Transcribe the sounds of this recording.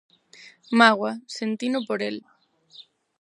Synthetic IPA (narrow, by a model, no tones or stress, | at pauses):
maɣwasent̪inopoɾel